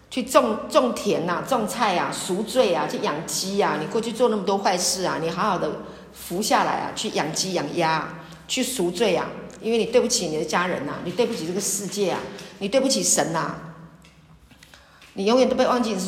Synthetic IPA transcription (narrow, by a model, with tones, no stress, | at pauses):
t͡ɕʰy˥˧ʈ͡ʂo˥˧ŋt͡sʊ˥˧ŋt̪ʰjɛ˧˥na˨t͡swɑ˥˧ŋt͡sʰa˥˩ɪa̰˩su˧˥t͡swe˥˩ɪa˩t͡ɕʰy˥˩jɑ˨˩ŋt͡ɕi˥a˨ni˨˩kwɔ˥˧t͡ɕʰy˥˧t͡swɔ˥˧na˥˩mə˩t̪wɔ˥xwa˥˧ɪʂɻ̩˥˩a˩ni˨˩xa˧˥ʊxɑ˨˩ʊd̪ə˦ | fu˧˥ɕja˥˨la̰˧˥ɪa̰˨t͡ɕʰy˥˩jɑ˨˩ŋt͡ɕi˥jɑ˨˩ŋja˦˥ | t͡ɕʰy˥˩su˧˥t͡swe˥˩ɪa̰˨˩i˥nwe˥˩ni˨˩t̪we˥˧ɪp̬u˥t͡ɕʰi˨˦ni˨d̪ə˦t͡ɕja˥ɻə̰˧˦na̰˨ni˨˩t̪we˥˧ɪpu˥t͡ɕʰi˨˩ʈ͡ʂə˥˩ɡə˩ʂɻ̩˥˧t͡ɕjɛ˥˩a̰˩ni˨˩t̪we˥˧ɪpu˥˩t͡ɕʰi˨˩ʂə˧˥na̰˧ | ni˨˩jo˧˥ŋɥt̪o˥pe˥˧ɪwɑ˥˧ŋt͡ɕi˥˧